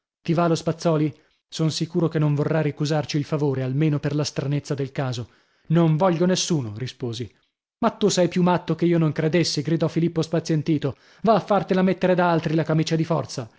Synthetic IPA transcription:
t̪ivalospat̪sːɔːli | sonsikuːɾokenːoɱvorːaɾikuzart͡ʃiːlfavoːɾealmeːnoperlast̪ɾanet̪sːad̪elkaːzo | noɱvɔʎːonesːuːnoɾispoːzi | mat̪ːusɛjpjumːat̪ːokeiːonoŋkɾed̪esːiɡɾid̪ɔfilipːospat̪sjent̪iːt̪o | vaːfːart̪elamet̪ːeɾed̪aalt̪ɾilakamiːt͡ʃad̪ifɔrt̪sa

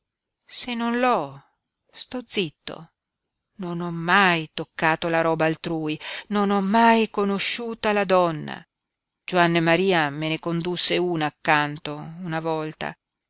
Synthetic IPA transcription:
senːonlɔ | st̪ɔd̪zːit̪ːo̰ | nonɔmːajt̪okːaːt̪olaɾɔːbaːlt̪ɾuːjinonɔmːajkonoʃːuːt̪alad̪ɔnːa̰ | d͡ʒoanːemaɾiːamenekond̪usːeuːnaːkːant̪ounavɔlt̪a̰

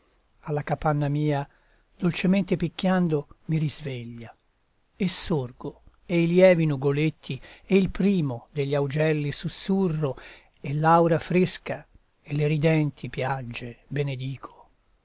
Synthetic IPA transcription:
alːakapanːamiːa | d̪̥olt͡ʃemɛnt̪epikːjand̪omiɾizveʎːa | esːurɡo | eiljɛːvinuɡolet̪ʰːieilpɾiːmod̪eʎːawd͡ʒɛlːisusːurːo | elːawɾafɾeska | elːeɾid̪ɛnt̪ʰipjad͡ʒːebened̪iːkʰo̥

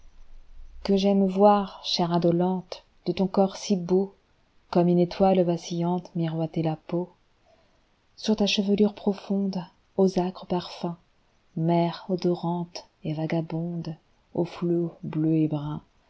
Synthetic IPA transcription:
kəʒɛmvwaʁʃɛʁad̪ɔlɑ̃t̪ | d̪̥ət̪ɔ̃kɔʁsibo | kɔmynet̪walvasijɑ̃t̪miʁwat̪elapo | syʁt̪aʃəvəlyʁpχɔfɔ̃d̪ | ozakχəpaʁfɛ̃ | mɛʁod̪ɔʁɑ̃t̪ | evaɡabɔ̃d̪ | oflobløebʁɛ̃

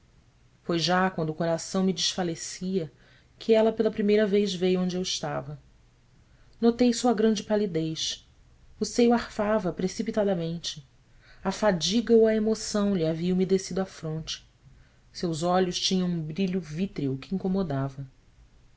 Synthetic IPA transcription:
fojʒakwɐ̃nd̪ʊkoɾasɐ̃w̃mɪd͡ʒɪʃfalesiɐ | kʰɪɛlɐpelɐpɾimejɾɐvejzvejõd͡ʒɪewɪʃt̪avɐ | not̪ejsuɐɡɾɐ̃nd͡ʒɪpalid̪ejʃ | ʊsejʊahfavɐpɾesipit̪ad̪ɐmẽnt͡ʃɪ | ɐfad͡ʒiɡɐoɐemosɐ̃w̃ʎɪaviɐ̃w̃mid̪esid̪ʊafɾõnt͡ʃɪ̥ | sewzɔʎʊʃt͡ʃĩɲɐ̃wũbɾiʎʊvit̪ɾiʊkɪĩŋkomod̪avɐ

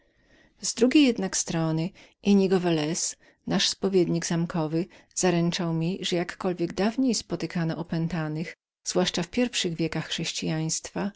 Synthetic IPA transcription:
zd̪ɾuɡʲejɛd̪nakst̪ɾɔnɘ | ʔɛɲiɡɔvɛlɛs | naʂspɔvʲjɛd̪ɲiɡzamkɔvɘ | z̥aɾɛnt͡ʂawmʲiʐɛjakːɔlvʲjɛɡd̪avɲejspɔt̪ɘkanɔʔɔpɛnt̪anɘx | z̥vwaʂt͡ʂafpʲjɛɾfʂɘɣvʲjɛkaxːʂɛɕt͡ɕijaj̃st̪fa

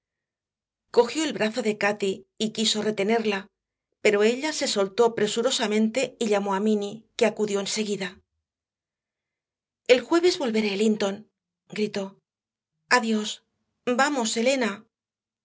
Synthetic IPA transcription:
ko̞xjo̞e̞lβɾaθo̞ðe̞kat̪iːkiso̞re̞t̪e̞ne̞ɾla | pe̞ɾo̞e̞ʎase̞so̞lt̪o̞pɾe̞suɾo̞samẽ̞nt̪e̞iʎamo̞amĩnike̞akuðjo̞ense̞ɣiða | e̞lxwe̞βe̞zβo̞lβe̞ɾeːlint̪o̞n | ɡɾit̪o̞ | aðjo̞s | bamo̞se̞le̞na

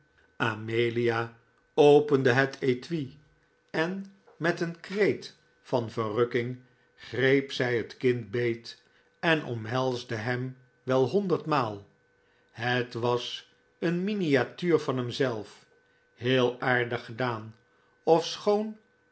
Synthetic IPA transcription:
ʔamejlijaː | owpəndəɦətʰejtʋi | ɛn | mɛtənkrejt | fɑnvərøkɪŋ | χrejpsɛjɦətkɪnt̚bejt | ɛnʔɔ̰mɦɛlˠzdəɦɛm | ʋɛlˠɦɔndəɹtmaːlˠ | ɦətʋɑs | ənminijatyːɹvɑnɦɛmzɛlˠf | hɪːlˠaːɹdəχədaːn | ɔfsχown

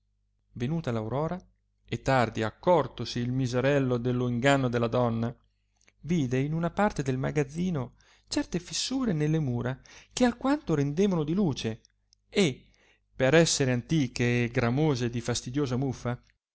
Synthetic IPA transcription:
venuːt̪alawɾɔːɾa | et̪ːard̪iakːɔrt̪osiːlmizeɾɛlːod̪elːoiŋɡanːod̪elːad̪ɔnːa | viːd̪einunapart̪ed̪elma̰ɡad̪zːiːno | t͡ʃɛrt̪efisːuːɾenelːemuːɾakeakːwant̪oɾend̪eːvanod̪iluːt͡ʃe | e | peɾɛsːeɾeant̪iːkeːɡɾamoːzed̪ifast̪id̪joːzamufːa

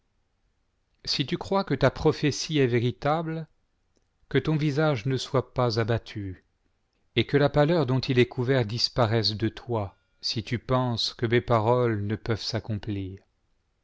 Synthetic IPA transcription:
sit̪ykχwakət̪apχɔfesiɛveʁit̪abl | kət̪ɔ̃vizaʒnəswapazabat̪ʰy | ekəlapalœʁd̪ɔ̃t̪ilɛkuvɛʁd̪ispaʁɛsd̪ət̪wa | sit̪ypɑ̃skəmepaʁɔlnəpœvsakɔ̃pliːʁ

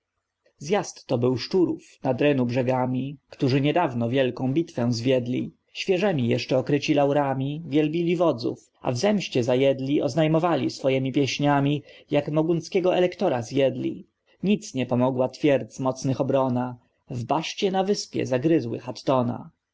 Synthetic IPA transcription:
zjast̪ːɔbɘwʂt͡ʂuɾufnad̪ɾɛnubʐɛɡamʲikt̪uʐɘɲɛd̪avnɔvʲjɛlkɔ̃w̃bʲit̪fɛ̃w̃zvʲjɛd̪lʲḭ | ɕfʲjɛʐɛmʲijɛʂt͡ʂɛɔkɾɘt͡ɕilawɾamʲivʲjɛlbʲilʲivɔd̪zṵf | a̰vzɛmɕt͡ɕɛzajɛd̪lʲiʔɔznajmɔvalʲisfɔjɛmʲipʲjɛɕɲamʲijakmɔɡunskʲɛɡɔɛlɛkt̪ɔɾazjɛd̪lʲḭ | ɲit̪sɲɛpɔmɔɡwat̪fʲjɛɾd̪zmɔt̪snɘxɔbɾɔna | vbaʂt͡ɕɛnavɘspʲjɛ̰zaɡɾɘzwɘ̰xat̪ːɔna̰

